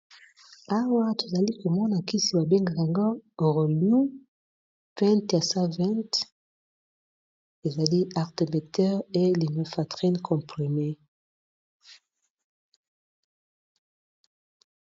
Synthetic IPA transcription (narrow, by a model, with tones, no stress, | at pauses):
a˦wa˦to˨za˨li˦ko˨mɔ˦na˨ki˦si˨ba˨be˦ŋɡa˨ja˨ŋɡo˦˨ʁo˨lju˦ | pɛ̃˦ntja˨sa˦vɛ̃˦nt | e˨za˨li˦a˨ʁte˨mbe˨tɛ˦ʁe˦li˨mɛ˨fa˨tʁi˦nkʰɔ̃˨mpʁi˨me˦